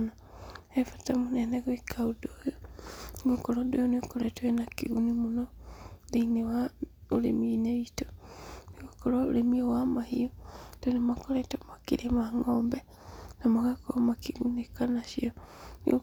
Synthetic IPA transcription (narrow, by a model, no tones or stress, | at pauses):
na | ɛfatamonɛnɛɣoikʰaudojoniɡokɔɾɔdojonekoɾɛtoenakiɣunimonɔdeinewaoɾḛmiːneito̥niɣokɔɾɔo̰ɾemiɔwamahiɔd̥onemakɔɾɛtomakiɾemaŋɔːmbɛ | namaɣakomakiɣunikanaʃiɔnḭo